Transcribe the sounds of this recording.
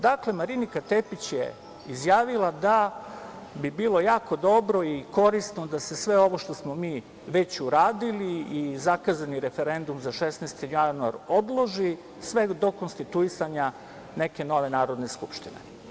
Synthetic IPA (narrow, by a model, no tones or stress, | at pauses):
d̪akle̞maɾinikat̪epit͡ɕjḛ | izjaːʋilˠad̪a | bibiːlˠo̞jaːko̞d̪o̞bɾo̞iko̞ɾist̪no̞d̪ase̞sʋe̞o̞ʋo̞ʃt̪o̞smomiː | ʋe̞t͡ɕuɾaːd̪iliːzakazaniɾefe̞ɾe̞nd̪umzaʃesnest̪ijanua̰ɾo̞d̪lˠo̞ʒi | sʋe̞d̪o̞konst̪it̪uisaɲa | neke̞no̞ʋe̞naːɾo̞d̪ne̞skupʃt̪inḛ